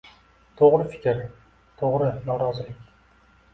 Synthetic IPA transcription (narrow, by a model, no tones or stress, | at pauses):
t̪ʰoʁɾɪfɪ̥kʲɪɾ | t̪ʰoʁɾɪnɒɾɒzɪlɪkʲ